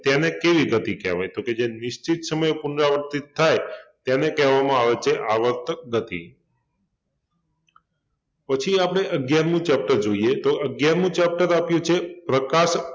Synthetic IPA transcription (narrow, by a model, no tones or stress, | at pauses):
t̪janekeʋiɡət̪ikɛ̰ʋa̰jt̪oked͡ʒenɪʃt͡ʃit̪səməjpʊnɾaʋəɾt̪it̪ʰːajt̪janekɛɦʋamãaʋet͡ʃʰeʔaʋəɾt̪ɡət̪ḭ | pət͡ʃʰiapɽ̃eʔəɡjaɾmũt͡ʃɛp̚ʈəɾd͡ʒoiet̪oəɡjaɾmũt͡ʃɛp̚ʈəɾapjũt͡ʃʰepɾəkaʃ